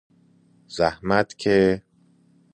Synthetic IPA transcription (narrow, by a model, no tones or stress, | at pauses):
z̥æhmæt̪ʰcʰe